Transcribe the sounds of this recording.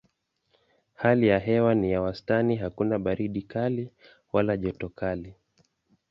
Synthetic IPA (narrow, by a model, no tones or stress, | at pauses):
halijaɦɛwanijawastaniɦakunaɓaɾiɗikali | walaʄɔtɔkali